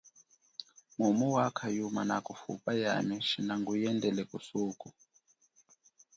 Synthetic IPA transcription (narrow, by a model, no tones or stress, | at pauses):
mumuwakʰajumanakufṵpʼaja̰miʃinaŋɡujɛndɛlɛkʼusuːkʼu